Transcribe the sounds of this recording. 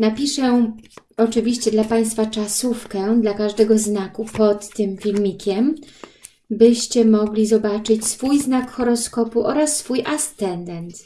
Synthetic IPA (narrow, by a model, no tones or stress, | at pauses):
napʲiʂɛ | ɔt͡ʂɘvʲiɕt͡ɕɛd̪lapaj̃st̪fat͡ʂasufkɛd̪lakaʐd̪ɛɡɔznakupɔt̪ːɘmfʲilmʲikʲɛm | bɘɕt͡ɕɛmɔɡlʲizɔbat͡ʂɘt͡ɕsfujznakxɔɾɔskɔpuʔɔɾasːfujʔast̪ɛnd̪ɛnt̪